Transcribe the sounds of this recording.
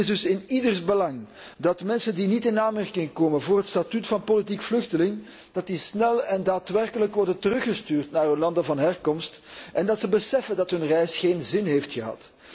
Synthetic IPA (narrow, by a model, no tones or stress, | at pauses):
ɪzdɵsɪnidərsbəlɑŋ | dɑtmɛnsəndinitɪnaːnmɛrkɪŋkoːmənvoːrɦətstatytfɑnpolitikflʏxtəlɪŋ | d̥ɑt̚disnɛlɛndaːtʋɛrkələkʋɔrdəntərɵxəstyːrtnaːrɦɵnlɑndəvɑnɦɛrkɔmstʔɛndɑtsəbəsɛfəndɑtɦɵnrɛjsxeːnzɪnɦeːftxəɦɑ̰t